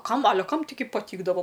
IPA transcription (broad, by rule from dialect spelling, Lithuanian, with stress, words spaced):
ˈkɐm ɐˈlʲɛ ˈkɐm tɐɪˈɡʲɪ pɐˈtʲiːɡdɐʋoː